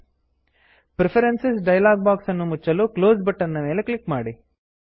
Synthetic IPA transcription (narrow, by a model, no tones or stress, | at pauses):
pɾepʰɐɾensesɖɐjlaːɡ̚baːksɐnːumut͡ʃːɐluːkloːsbɐʈːɐnːɐme̞ːlekɭikmaːɽi